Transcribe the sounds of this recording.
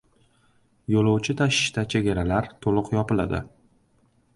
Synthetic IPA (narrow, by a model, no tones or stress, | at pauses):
jolˠowt͡ʃʰɪt̪ʰaʃɪ̥ʃt̪at͡ʃʰe̞ɡʲaɾalaɾt̪ʰolˠʊqjɒpɪla̰d̪ɪ̰